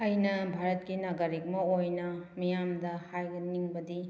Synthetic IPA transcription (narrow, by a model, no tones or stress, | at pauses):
ɐjnɐbʱaɾɐt̚kinɐɡɐɾik̚mɐojnɐmijamdɐhajɡɐniŋbɐdi